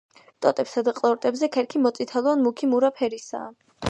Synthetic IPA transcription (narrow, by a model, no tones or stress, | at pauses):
t̪ʼɔt̪ʼɛpsad̪aqʼlˠɔɾt̪ʼɛbzɛkʰɛɾkʰimɔt̪sʼit̪ʰalˠɔnmukʰimuɾapʰɛɾisa̰ː